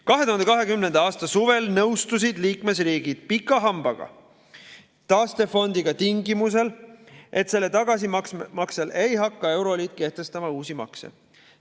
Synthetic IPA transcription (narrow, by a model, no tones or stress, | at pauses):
kɑɦet̪uhɑnd̪ekɑɦe̞kymne̞nd̪̥ɑɑːst̪ɑsuve̞lnɤwst̪us̬id̪̥liːkme̞sriːɡ̥id̪̥̚pikːˑɑɦɑmb̥ɑɡ̥ɑ̰ | t̪ɑːst̪e̞fo̞nd̪̥iɡ̥ɑt̪iŋɡimus̬e̞lʔe̞t̪se̞lːet̪ɑɡ̥ɑs̬imɑksele̞jɦɑkːɑe̞wɾo̞lʲit̪ke̞ht̪e̞st̪ɑmɑuːsimɑ̰ksḛ